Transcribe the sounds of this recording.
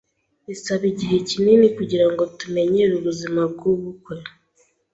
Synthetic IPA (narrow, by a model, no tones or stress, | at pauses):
isaβiɟiɦe̞cininikuɟiɾaŋɡo̞tume̞ɲeɾuβuzimabɡuβukwe̞